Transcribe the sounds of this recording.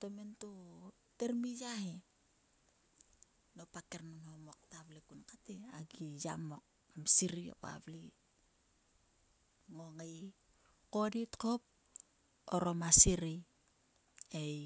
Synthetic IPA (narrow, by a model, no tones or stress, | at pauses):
tomento | teɾmijahe | nopakernonhomok̚taβlikunkateaɡija̰mo̞k̚ | amsiɾio̰pa̰βli | ŋoŋaj | ko̞ditkop̚ | o̰ɾomasiɾi | ej